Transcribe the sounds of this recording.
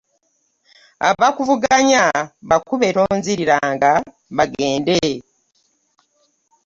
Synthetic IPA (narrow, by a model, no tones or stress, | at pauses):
a̰βakuvuɡaɲaβakuβe̞ɾo̞ːɲziɾiɾaːŋɡa | βaɡe̞ːnde